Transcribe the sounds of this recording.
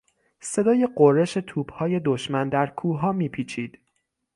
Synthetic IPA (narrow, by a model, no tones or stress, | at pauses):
se̞d̪ɒːje̞ɢorːe̞ʃe̞t̪ʰuːb̥hɒːje̞d̪oʃmænd̪æɾkʰuːɦɒːmiːpʰiːt͡ʃʰiːd̪̥